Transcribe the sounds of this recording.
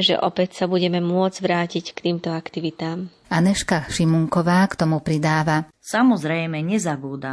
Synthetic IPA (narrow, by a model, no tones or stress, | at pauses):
ʒɛ̰ʔɔpɛcsabuɟɛmɛmʊɔd͡zʋɾaːcickt̪iːmt̪ɔakt̪iʋit̪aːm | anɛʃkaʃimuŋkɔʋaːkt̪ɔmupɾid̪aːʋa | samɔzɾɛjmɛɲɛzabuːd̪a